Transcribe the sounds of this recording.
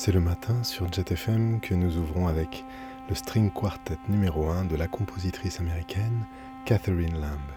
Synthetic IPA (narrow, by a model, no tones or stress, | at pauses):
sɛləmat̪ʰɛ̃syʁʒɛt̪ɛfɛmkʰənuzuvʁɔ̃avɛk | ləst̪χiŋkwaʁt̪ɛt̪nymeʁoɛ̃d̪əlakɔ̃pʰozit̪χisameʁikʲʰɛn | kat̪eʁinlɛ̃b